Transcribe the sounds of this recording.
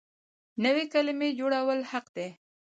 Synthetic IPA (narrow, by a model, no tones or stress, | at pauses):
nəwekalɪmed͡ʒoɽawəlhaqd̪e